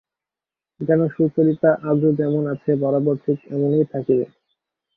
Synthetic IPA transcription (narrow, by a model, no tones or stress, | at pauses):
d͡ʑɛnoʃut͡ɕoɾit̪aʔabud͡ʑɛmonat͡ɕʰebɔɾaboɾt̪ʰikɛ̰monejt̪ʰakibḛ